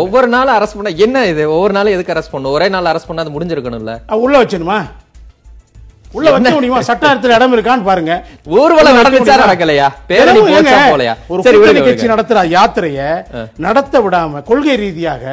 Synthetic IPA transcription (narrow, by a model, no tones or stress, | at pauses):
ɔʋːɔɾɯnaːlɐɾɐspɐɳːaɛnːɐɪðɯɔʋːɔɾɯnaːlɛðɯkːɯɐɾɐspɐɳːɯ̃ɔɾeːnaːlɐɾɐspɐɳːaːðɯmʊɽɪɲd͡ʒɪɾɯkːɐɳʊ̃ɪlːɐ̰ɐɐʊɭːɐʋɐt͡ʃːɐnɯmaː | ʊɭːɐʋɐɐmʊɽɪjɯmaːsɐʈːaːɪɾɐt̪ːɯlɐɛɽɐmɪɾɯk̬ːaːnːɯpaːɾɯŋɡɐuːɾɯʋɐɭːɐnɐɽɐɐɯmʊɪːaːɾɐɽɐk̬ːɐlːɐjaːpeːɛɾɐimŋɡɐaoːlɐja̰ːɔɾɯsɐɾːɐnɪkɐt͡ʃːinɐɽɐt̪ːɯɾaːjaːt̪ɪɾɐjɐnɐɽɐt̪ːɐʋɪɽaːmɐkɔɭɣɐɪɾiːðɪjaːɣɐ